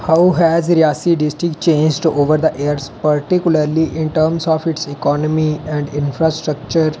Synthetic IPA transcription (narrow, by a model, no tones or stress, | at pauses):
haʊɦɛːzɾijaːsiɖɪsʈɾɪk̚ʈt͡ʃẽːnd͡ʒʈuʔoːʋəɾd̪əʔeːəɾzpəɾʈɪkjʊləɾliʔɪ̃ɳʈəːɾmsɔːfɪʈsɪkɔːnəmiɛ̃ɳɖɪ̃nfɾaːsʈɾək̚t͡ʃəɾ